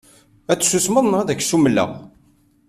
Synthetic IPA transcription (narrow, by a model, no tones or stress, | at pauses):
æt͡sːsusməðˤnʁðæç̥ːsuməlːə̰ʁ